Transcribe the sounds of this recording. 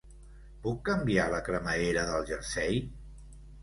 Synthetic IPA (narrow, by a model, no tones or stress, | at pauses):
pukːəmbialəkɾəməeɾəðəlˠʒəɾsɛj